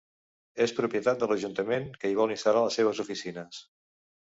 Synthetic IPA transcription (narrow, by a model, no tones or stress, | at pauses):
espɾupjət̪at̪̚d̪ələʒunt̪əmenkəiβ̞ɔlˠinst̪alaləsːeβ̞əzufisinəs